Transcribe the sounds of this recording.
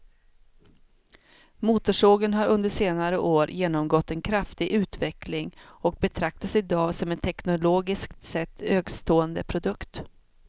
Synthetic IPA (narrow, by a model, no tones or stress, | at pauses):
muːt̪ʊʂoːɡənɦaɾɵnd̪əʂeːnaɾəʔoːɾjeːnɔmɡɔt̪ːɛnkʰɾaft̪ɪɡʔʉ̟ːt̪vɛklɪŋɔk̚bɛt̪ʰɾak̚t̪asɪd̪ɑːsɔmɛnt̪ʰɛknʊloːɡɪskt̪sɛt̪ːøːɡst̪ʰoːənd̪əpʰɾʊd̪ɵkt̪